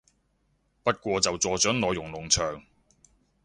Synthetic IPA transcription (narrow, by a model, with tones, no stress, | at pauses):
pɐ˥t̚kʷɔː˧t͡sɐ˨wt͡sɔː˨˧t͡sœː˨˥ŋlɔː˨˧jːʊ˨˩ŋlʊ˨˩ŋt͡ʃʰœː˨˩ŋ